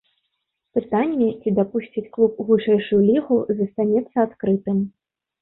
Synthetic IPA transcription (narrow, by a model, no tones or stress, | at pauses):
pɨt̪anʲːɛt͡sʲid̪apusʲt͡sʲit͡sʲklˠupɣuʂɛjʂujulʲiɣuzɐst̪anʲɛt̪sːɐat̪kɾɨt̪ɨm